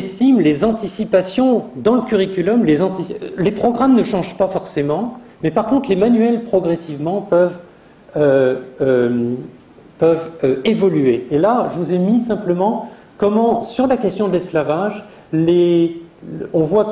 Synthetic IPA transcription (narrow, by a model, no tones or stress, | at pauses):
st̪imlezɑ̃t̪isipasjɔ̃d̪ɑ̃ləkʲyʁikʲylɔmlezɑ̃t̪ilepχɔɡʁamnəʃɑ̃ʒpafɔʁsemɑ̃mɛpaʁkɔ̃t̪χlemanɥɛlpχɔɡʁɛsivmɑ̃pœv | øøm | pœvøevɔlyeːlaʒəvuzemisɛ̃pləmɑ̃ | kɔmɑ̃syʁlakʲɛst̪jɔ̃d̪əlɛsklavaʒ | le | ɔ̃vwa